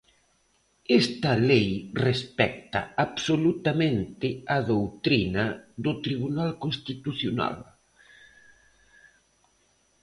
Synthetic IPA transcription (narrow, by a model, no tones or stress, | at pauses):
ɛst̪ɐlejrespɛk̚t̪ɐ̰aβsolut̪amẽnt̪ɪɐðowt̪ɾinɐðʊt̪ɾiβunalkõnst̪it̪uθjona̰l